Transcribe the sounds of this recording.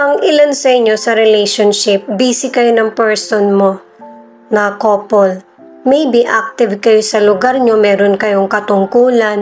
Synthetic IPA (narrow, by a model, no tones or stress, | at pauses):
ʔɐŋʔɪlansɐʔɪɲːo̞sɐɾɛlɛjʃonʃɪp̚biːsɪkɐjonɐŋpɛɹsonmo̞ | nɐkoːpol | mɐjbiʔak̚t̪ɪvkɐjo̞sɐlʊɡaɾɲo̞mɛːɾonkɐjo̞ŋkɐt̪ʊŋkuːlɐn